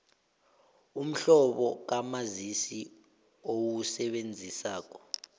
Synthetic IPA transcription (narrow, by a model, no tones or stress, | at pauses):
um̩ɬɔɓɔk̬amazisi | owusɛɓend͡zʱisaːk̬ɔ̥